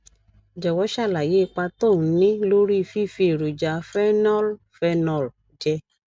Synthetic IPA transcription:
d͡ʒɛ˨wɔ˨˦ʃa˦˨la˨je˨˦˧k͡pa˧to˦˨˦nĩ˦lo˦ɾi˦˧fi˦˨fi˧e˨ɾo˨d͡ʒa˨˧˦fɛ˦nɔ˦l | fɛ˦nɔ̃˧˨l | d͡ʒɛ˧

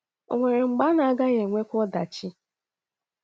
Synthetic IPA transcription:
o̰˨ŋʷe˨ɾe˨ŋ͡m̩˨ɡ͡ba˦na˨a˦ɡa˦ɣe˨ŋʷe˦kʷɔ˦da˨t͡ʃi˦

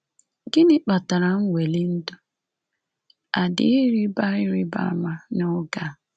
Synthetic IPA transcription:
ɡɪ˦nɪ˦k͡pa˨ta˨ɾa˨ŋ̩˦wʷe˨li˦n̩˦dʊ˦ | a˨dɪ˨˦ɪ˦ɾi˦ba˦ɪ˦ɾɪ˦ba̰˦ma˦nʊ˦ɡa˦

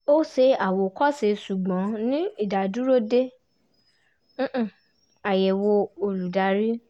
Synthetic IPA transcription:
o˦se˧a˨wo˨kɔ˦se˧˦ʃu˨ɡ͡bɔ̃˨˦nĩ˦i˦˨da˨du˨˦ɾo˦de˦˨ | a˨jɛ˨wo˧o˧lu˨da˧˦ɾi˦

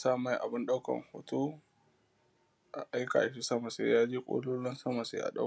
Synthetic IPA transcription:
saː˦ma˨jʔa˨bɪ˦nɗa˦wkɐ̰˨ŋho̰ː˨to˦ | ʔa˨ʔa˦jka̰˨ʔa˨ʃ̬i˦sɐ˦ma˨sḛː˦jaː˦d͡ʒe˦kʷʼo̰ː˦loː˦lɐ˦nsɐ˦ma˨sḛː˦ʔa̰˨ɗa̰˦

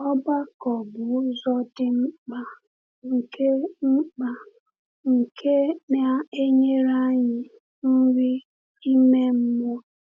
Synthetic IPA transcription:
ɔ˦ba˦kɔ˨bʊ˨˦zɔ˦dɪ˦m̩˦k͡pa˦ | ŋ̩˨kʰe˦ŋ͡m̩˦k͡pa˨ | ŋ̩˨kʰe˦ne˦˨a˦e˦ɲe˦ɾa˦ɲɪ˨ | n̩˦ɾi˦ | i˦me˦m̩˦mʷɔ˦

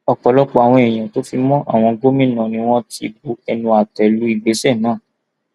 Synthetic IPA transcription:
ɔ˧k͡pɔ˨lɔ˦k͡pɔ˧˦a˨w̃ɔ̃˧e˨j̃ã˨to˦fi˧mɔ̃˦ʔa̰˦˨w̃ɔ̃˧ɡo˦mĩ˦˨nã˨nĩ˦w̃ɔ̃˦tḭ˧bu˧˦ɛ˧nũ˧a˨tɛ˨lu˨˦i˨ɡ͡be˨˦sɛ˦˨nãː˦˨

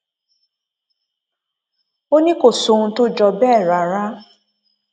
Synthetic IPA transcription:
o˦nĩ˦ko˦˨so˨nũ˧to˦d͡ʒɔ˧bɛː˦˨ɾa˨ɾa˦

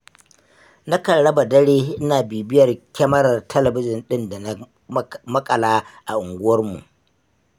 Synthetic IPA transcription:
na˦kɐ˨ɽɽɐ˦ba˨dɐ˦ɽeː˦ʔɪ˦naː˨biː˨bɪ˦jɐ˨rkʲɐ˦mɐ˦ɾɐ˨rtʰɐ˦lɐ˨bɪ˦d͡ʒɪ˨nɗɪ˦nda˨na˦ | mɐ˦kʼɐ˨laː˦ʔa˨ʔʊ˨ŋɡʷʊ˦wɐ˦rmṵ˨ʔ

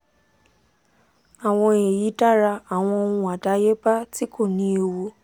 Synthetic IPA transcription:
a˨w̃ɔ̃˧e˨ji˨˦ta˦ɾa˧a˨w̃ɔ̃˧o˧nũ˧a˨da˨˦je˦ba˦ti˦ko˦˨nĩ˧˦e˧wo˧

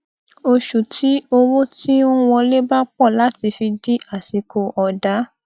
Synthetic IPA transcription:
o˧ʃu˨ti˨˦o˧ɾo˦ti˦o˦wɔ̃˧le˦ba˦k͡pɔ˦˨la˨˦ti˧fi˧di˦a˦˨si˨ko˨ʔɔ˧da˨˦

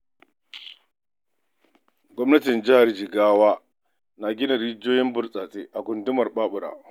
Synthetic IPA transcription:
ɡʷɔ˦mnɐ˦tɪ˨nd͡ʒɪ˦ha˨rd͡ʒɪ˨ɡaː˦waː˦ | na˨ɡʲɪ˦na˨ɽi˦d͡ʒoː˦jɪ˦mbʊ˦rsʼaː˨tʼeː˦ʔa˨ɡʷʊ˨ndʊ˦mɐ˨rɓaː˦ɓʊ˨ɽa̰ː˨ʔ

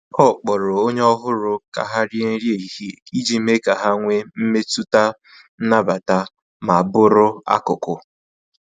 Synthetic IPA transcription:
ɔ˦˨k͡pɔ˨ɾʊ˨o˦ɲe˦ɔ˦ɦʊ˦ɾʊ˨ka̰˨ɦa˦ɾje˦n̩˦ɾje˦˨i˨hi˦i˦d͡ʒi˦me˦ka˨ɦa˦ŋʷe˦m̩˦me˦tu˦ta˦ | na˦ba˨ta˦ | ma˨a˨bʊ˦ɾʊ˦a̰˦kʊ˨kʊ˨

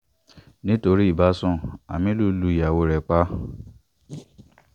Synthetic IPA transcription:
nĩ˦to˧ɾi˦i˦˨ba˨˦sɔ̃˦˨a̰˨mĩ˧˦lu˦lu˧˦i˨ja˨wo˨˧ɾɛ˨k͡pa˦

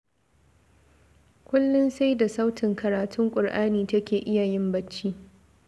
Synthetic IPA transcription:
kʷʊ˦lːʊ˦nsa˦jda˨sa˦wtʰɪ˨ŋkʰɐ˨ɾaː˨tʊ˦ŋkʷʼʊ˨rʔaː˦niː˨tɐ˦kʲeː˨ʔɪ˦ja˨jɪ˦mbɐ˦t͡ʃːiː˦

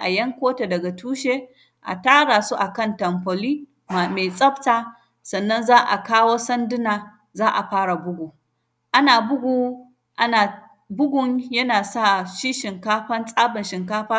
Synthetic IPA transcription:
ʔa̰˨jɐ˦ŋkʷoː˦te˨dɐ˨ɡa˨tʰuː˦ʃeː˦ | ʔa̰˨taː˦ɽa˨su˦ʔa˨kɐ˦˨ntɐ˨mɸɐ˨liː˦ | ma˨me˨sʼɐ˦btaː˦ | sɐ˨nːɐ˦nzaː˦ʔa̰˨kaː˦woː˦sɐ˦ndɪ˦naː˨ | zaː˦ʔa˨ɸaː˦ɽa˨bʊ˦ɡʷuː˨ | ʔa˦naː˨bʊ˦ɡʷuː˨ | ʔa˦naː˨ | bʊ˦ɡʷʊ˨ŋjɐ˦naː˨saː˦ʃiː˦ʃɪ˨ŋkaː˦ɸɐ˦nsʼaː˦bɐ˨nʃɪ˨ŋkaː˦ɸaː˦

